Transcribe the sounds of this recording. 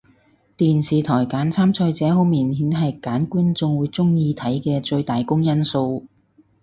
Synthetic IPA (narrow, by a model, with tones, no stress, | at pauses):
t̪iː˨nsiː˨t̪ʰɔː˨˩jkaː˨˥nt͡sʰaː˥mt͡sʰɔː˧jt͡sɛː˨˥ɦo˨˥wmiː˨˩nhiː˨˥nɦɐ˨jkaː˨˥nkuː˥nt͡sʊ˧ŋwuː˨˧˥jt͡sʊ˥ŋjiː˧t̪ʰɐ˨˥jkɛː˧t͡ʃɵ˧ɥt̪aː˨jkʊ˥ŋjɐ˥nso˧w